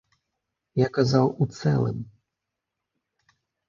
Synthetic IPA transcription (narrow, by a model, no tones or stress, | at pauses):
jakazawut̪sɛ̰lˠɨ̰m